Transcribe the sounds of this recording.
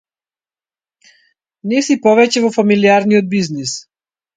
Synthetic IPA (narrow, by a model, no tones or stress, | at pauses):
nɛsipɔvɛcɛvɔfamiliaɾnijɔd̪̚biznis